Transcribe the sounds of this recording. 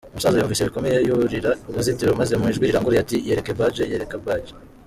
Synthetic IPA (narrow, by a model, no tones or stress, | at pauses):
umusazajuːɱviːseβiko̞mejejuɾiɾauβuzitiɾomazemiʒɡwiɾiɾaŋɡoɾijatijeɾe̞kebad͡ʒejeɾekabwaːd͡ʒe